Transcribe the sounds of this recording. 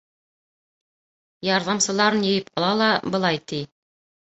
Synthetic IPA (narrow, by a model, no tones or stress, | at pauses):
jɑɾðɑmsɤ̆lˠɑɾɤnjɤ̆jɘp̚qɑlˠɑlˠɑbɤ̆lˠɑjt̪i